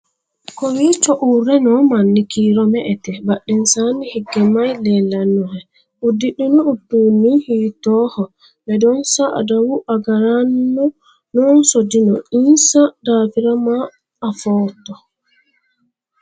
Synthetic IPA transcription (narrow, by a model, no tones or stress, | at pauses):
kɔwit͡ʃɔʔuɾɛnɔmanːikʰiɾɔmɛʔɛtɛbaɗːɛnsanihiɡɛmajlɛlanːuhɛ | ʔudiɗunutːunihitɔhɔ | bɛdɔnsaa̰dawuʔaɡaɾanːu | nɔnsodinɔinsadafiɾamaː | fɔːtɔ